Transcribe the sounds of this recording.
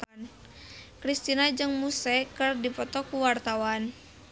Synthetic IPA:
n | kɾist̪inad͡ʒɨŋmusɛkərdipɔt̪ɔkuwart̪awan

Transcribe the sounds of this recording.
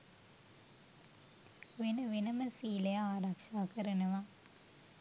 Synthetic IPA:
ʋinɐʋinɐmɐsiːlɐjɐaːɾɐkʂaːkɐɾɐnɐʋa

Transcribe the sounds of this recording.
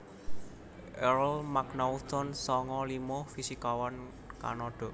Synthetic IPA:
ʔɛɾlmaknaut̪ɔnsɔŋɔlimofisikawan | ka̰nɔɖ̥ɔ̤ʔ

